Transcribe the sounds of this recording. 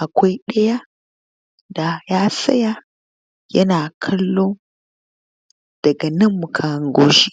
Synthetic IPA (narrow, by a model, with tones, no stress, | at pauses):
ʔa˨kʷa˦jɗɐ˦ja˦ | da˨ja˦sɐ̰˦ja˦ | jɐ̰˦na˨kʰɐ˦lːo˦ | d̥ɐ˨ɡa˨nɨ˦mːu˨kʰa˨ŋɡo˦zi˦